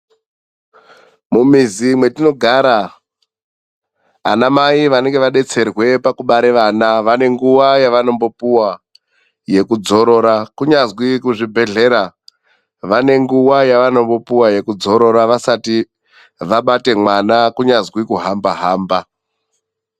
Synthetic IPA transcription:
mumizimwe̞tino̞ɡʱaɾa | namaiʋane̞ŋɡe̞ʋaɗe̞t͡se̞rwe̞pakuɓaɾeʋanaʋane̞ŋɡuwajaʋano̞mbo̞puwa | je̞kud͡zo̞ɾo̞ɾakuɲazwikuʐibʱe̞ɮe̞ɾa | ʋane̞ŋɡuwajaʋano̞mbo̞puwaje̞kud͡zo̞ɾo̞ɾaʋasati | ʋaɓate̞mwanakuɲazwikuɦambaɦaːmba

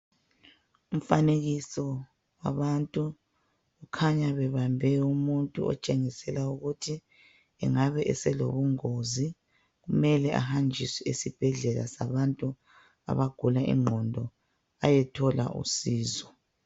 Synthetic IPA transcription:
um̩faneɣisɔ | waβantʼu | ukʰaɲaβɛβambʱɛumuntʼṵɔ̰t͡ʃʼeŋisɛlauɣutʰi | ɛ̰ŋaβɛʔɛsɛlo̰βuŋozi | ɣumɛlɛʔa̰hand͡ʒʱisɛisib̥ʱɛɮɛla̰sa̰βantʼu | a̰βaɡ̥ʱulaʔḭŋ͡ǃʱɔndʱɔ | ajɛtʰɔla̰ʔṵsiːzɔ

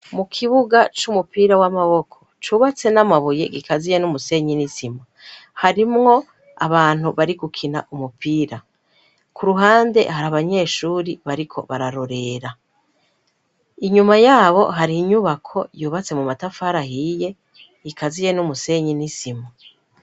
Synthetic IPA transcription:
mukʰiβuɡat͡ʃumupiːɾawamaβo̞kʰo̞t͡ʃuːβat͡se̞namaβuje̞ɡikazije̞numuse̞ɲinisima | haɾimŋo̞ | aβaːn̥huβaɾiɡukʰina̰ʔumupʰiːɾa | kʰuɾuɦaːnde̞̰haɾaβaɲe̞ːʃuːɾiβaɾikʰo̞̰βaɾaɾoɾe̞ːɾa | iɲumajaːβo̞̰ɦaɾiːɲuβakʰo̞juːβat͡se̞mumatafaɾahije̞ | ɡikazije̞numuse̞ɲinisima

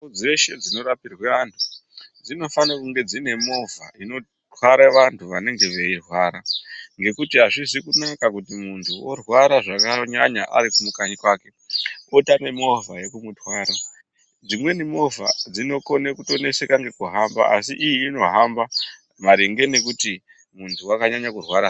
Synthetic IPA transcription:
od͡zeʃe̞d͡zino̞ɾapirweantʰu̥d͡zino̞fanakuŋɡe̞d͡zine̞mo̞va̰ino̞ | tʰwaɾeʋantʰuʋane̞ŋɡe̞ʋe̞irwaːɾaŋɡe̞kutiɦaʐizikunakakutimuntʰuorwaɾaʐakaɲaɲaʔa̰ɾikumukaɲikwaːke̞otame̞mo̞vʱaje̞kumutʰwaːɾa | d͡zimwe̞nimo̞vʱa̰d͡zino̞ko̞nekuto̞ne̞se̞kaŋɡe̞kuɦamba̰a̰siʔːjiːno̞ɦamba | maɾeŋɡe̞ne̞k̬uti | muntʰuwakaɲaɲakurwaɾa

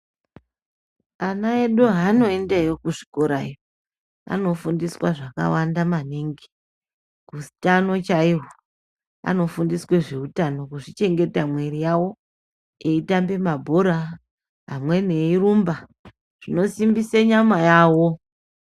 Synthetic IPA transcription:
anaeɗoɦano̞endejokuʐi̥ko̞ɾaijo | a̰no̞fundiswaʐaka̰wandamaneŋɡe | kusi̥tano̞t͡ʃaiɦo | a̰no̞fundisweʐeutano̞kuʐit͡ʃe̞ŋɡe̞tamwe̞rijawo̞ | eitambe̞mabʱoɾa | ɦamwe̞ne̞iɾuːmba | ʐ̥ino̞simbiseɲamajaːwo̞

